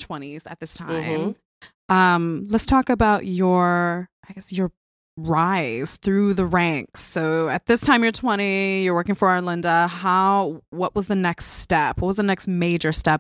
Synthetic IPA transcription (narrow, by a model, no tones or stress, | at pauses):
tʰw̥ɛ̃ɾ̃iz̥ɨ̰t̪̚ðɪstʰã̰ɪ̃m | ʔʌ̃mlətstʰɔkɨbaʊt͡ʃə˞ʔaɪɡɛsjə˞ | ɹaɪz̥θɹʉðɨɹæ̃ŋksoʊɨt̪̚ðɪstʰãɪ̃mjə˞tʰw̥ɛ̃ɾ̃ijə˞wɜ˞kɪ̃ŋfə˞əlɪ̃ndəhaʊwʌʔwʌzðɨnɛkststɛpwʌt̚wʌzðɨnɛksmeɪd͡ʒə˞stɛp̚